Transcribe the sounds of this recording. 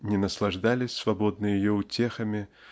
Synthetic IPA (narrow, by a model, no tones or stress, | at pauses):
nʲɛnɐslˠaʐd̪alʲɪsʲsvabɔd̪̚nɨjjijɔut͡sʲɛxɐmʲi